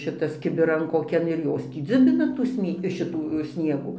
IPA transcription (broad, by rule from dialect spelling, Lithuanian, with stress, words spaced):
ˈʃʲɪtɐs kʲɪbʲɪˈrɐn koːˈkʲɛn ɪr ˈjoːs tʲiː ˈd͡zʲʊbʲɪnɐ tuː ˈsʲnʲiɛ ˈʃʲɪtuː ˈsʲnʲiɛɡuː